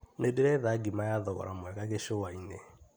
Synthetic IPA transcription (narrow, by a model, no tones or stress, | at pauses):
nedeɾɛðaɡimajaðɔɣɔ̰ɾamwɛɣaɣeʃowaine